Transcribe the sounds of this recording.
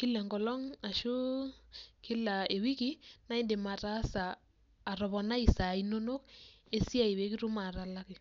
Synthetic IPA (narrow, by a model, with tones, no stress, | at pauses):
ki˦lɛ˨ŋɡɔ˨lɔ˦ŋa˨ʃu˦ | ki˦la˨e˨wi˦ki˦na˦i˦nde˨ma˨ta˦saː˨ | ɾɔ˨βɔ˨na˦i˨sa˨ino˦no˦k | e˦si˦a˦˨i˨we˨˦ki˦ɾu˦ma˨ɾa˦la˦ki˨